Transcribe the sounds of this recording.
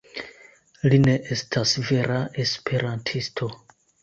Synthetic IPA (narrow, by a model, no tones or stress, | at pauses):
line̞ʔe̞stʰasve̞ɾaʔe̞spʰe̞ɾantʰistʰo̞